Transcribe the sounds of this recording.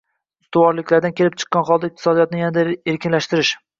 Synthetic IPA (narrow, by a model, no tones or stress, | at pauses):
ʊst̪ʊwɒɾlɪkʲlaɾd̪ankʲʰelɪp̚t͡ʃʰɨ̥qːɑnχɒlˠd̪aɪq̚t̪ʰɪ̥sɒd̪ijɒt̪nɪjanad̪aeɾkʲʰɪnlaʃt̪ɪɾɪʃ